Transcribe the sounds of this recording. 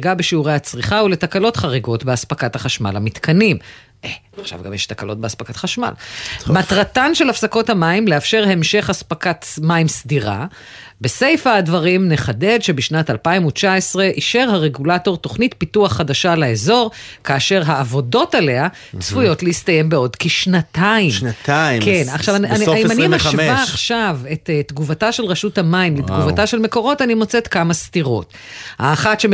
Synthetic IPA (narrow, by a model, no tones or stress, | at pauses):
ɡabeʃiuʁejhat͡sʁiχauletakalo̞tχaʁeɡo̞tbeaspakathaχaʃma̰lhamitkʰanim | e | aχʃa̰vɡamjɛ̰ʃtakalo̞t̚beaspakatχaʃma̰lmat̪ʁatanʃe̞lafsako̞thamaimleafʃe̞ʁhe̞mʃe̞χaspakat̪maimsdiʁa̰ | be̞se̞jfaːdvaʁimne̞χade̞dʃe̞biʃnatalpaimut͡ʃaesʁe̞ʔiʃe̞ʁaʁe̞ɡulato̞ʁto̞χnitpituaχːadaʃalaezo̞ʁkaːʃe̞ʁɦaːvo̞do̞tale̞a | t͡svujo̞tleist̪aje̞mbeo̞dkeʃnataimnataikenaχʃavananimanimaʃvaːχʃave̞ttɡuvataʃe̞lʁaʃuthamaimlet̪ɡuvataʃelme̞ko̞ʁo̞tanimo̞t͡setkamastiʁo̞̰t | haːχatʃe